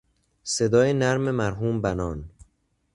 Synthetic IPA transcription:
se̞d̪ɒːjenæɾme̞mæɾɦuːmbænɒːn

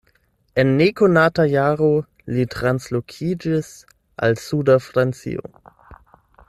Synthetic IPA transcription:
ɛnːekonaːtajaːʁo | litʁanslokʰiːd͡ʒɪs | ʔa̰lsuːdafɾant͡sḭo̰

